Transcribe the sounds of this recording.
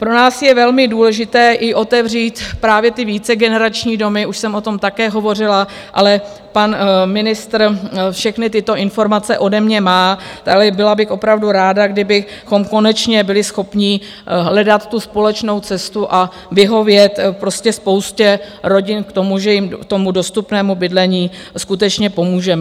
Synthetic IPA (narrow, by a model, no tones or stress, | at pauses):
pɾo̞naːsjɛvɛlmɪduːlɛʒɪt̪ɛːʔɪʔo̞t̪ɛvriːt̪pɾaːvjɛt̪ɪviːt͡sɛɡɛnɛɾat͡ʃɲiːdo̞mɪuʃsɛmo̞t̪o̞mt̪akɛːɦo̞vo̞rɪla | ʔalɛ | panmɪnɪst̪ɾfʃɛxnɪt̪ɪt̪o̞ʔɪnfo̞ɾmat͡sɛʔo̞dɛmɲɛmaːt̪alɛbɪlabɪxʔo̞pɾavduɾaːdaɡdɪbɪxo̞mko̞nɛt͡ʃɲɛbɪlɪsxo̞pɲɪ | ɦlɛdat̪ːuspo̞lɛt͡ʃno̞wt͡sɛst̪uʔa | vɪɦo̞vjɛt̪pɾo̞scɛspo̞wscɛɾo̞ɟɪnkt̪o̞muʒɛjɪmt̪o̞mudo̞st̪upnɛːmubɪdlɛɲiːskut̪ɛt͡ʃɲɛpo̞muːʒɛmɛ